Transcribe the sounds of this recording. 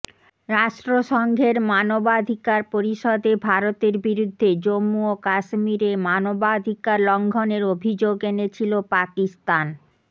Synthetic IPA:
ɾaʃʈɾoʃɔŋɡʱeɾmanobad̪ʱikaɾpoɾiʃɔd̪ebʱaɾot̪eɾbiɾud̪ʱːed͡ʑomːuokaʃmiɾemanobad̪ʱikaɾlɔŋɡʱɔneɾobʱid͡ʑoɡenet͡ɕʰilopakist̪an

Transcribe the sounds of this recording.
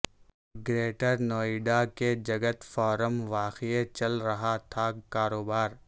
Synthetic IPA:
ɡɾeːʈəɾnɔːiɖaked͡ʒɐɡət̪fɔːɾəmʋaːxiet͡ʃɐlɾɐɦat̪ʰakaːɾoːbaːɾ

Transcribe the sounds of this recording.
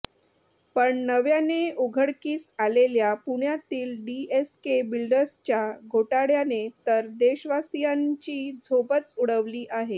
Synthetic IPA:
pəɳnəʋjaneuɡʱəɽkiːt͡saleljapuɳjat̪iːlɖieskebilɖəɾst͡ɕjaɡʱoʈaɽjanet̪əɾd̪eɕʋasijãɲt͡ɕiːd͡zʱopət͡suɽəʋliːʔaɦe

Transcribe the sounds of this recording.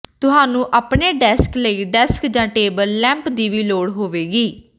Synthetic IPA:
t̪ʊɦaːnũːʔaːpɳeːɖɛːskləiːɖɛːskd͡ʒãːʈeːbəɾlɛ̃ːmpd̪iːʋiːloːɽɦoːʋeːɡiː

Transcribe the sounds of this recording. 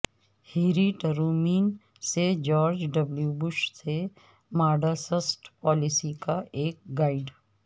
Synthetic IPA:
hiːɾiʈəɾuːmiːn | sed͡ʒɔːɾd͡ʒɖɐbljubʊʃse | maːɖasəsʈpɔːlɪsikaʔeːk̚ɡaːɪɖ

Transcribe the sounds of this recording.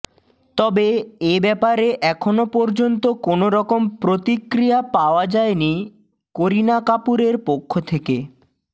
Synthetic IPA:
t̪ɔbeebɛpaɾeʔɛkʰonopɔɾd͡ʑont̪okonoɾɔkompɾot̪ikɾijapaoad͡ʑaeni | koɾinakapuɾeɾpokʰːot̪ʰeke

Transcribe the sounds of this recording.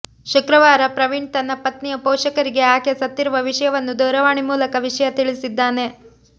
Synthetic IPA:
ʃukɾɐʋaːɾɐpɾɐʋiɳɖt̪ɐnːɐpɐt̪nijɐpɔːʂɐkɐɾiɡe̞aːkjɐsɐt̪ːiɾuʋɐʋiʂɐjɐʋɐnːud̪ɐːɾɐʋaːɳimuːlɐkɐʋiʂɐjɐt̪iɭisid̪ːaːne̞

